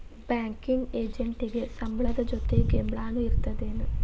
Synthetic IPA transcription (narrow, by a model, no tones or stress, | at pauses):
baːŋkiŋɡeːd͡ʒeɳʈiɡesɐmbʱɐɭɐd̪ɐd͡ʒot̪ːeɡembɭaːnuiɾut̪ːɐd̪eːnɨ